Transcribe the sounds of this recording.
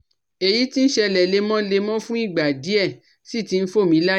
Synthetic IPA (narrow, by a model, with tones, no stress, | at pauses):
e˨ji˨˦ti˦n̩˦ʃɛ˧lɛ˨le˧mɔ̃˦le˧mɔ̃˦fũ˦i˦˨ɡ͡ba˨di˨˦ɛ˦˨ | si˦˨ti˧n̩˦fo˦˨mĩ˨˧˦la˦